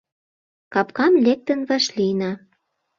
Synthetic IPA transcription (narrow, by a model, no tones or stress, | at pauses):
kɑp̚kɑmlek̚t̪ə̆nvɑʃlinɑ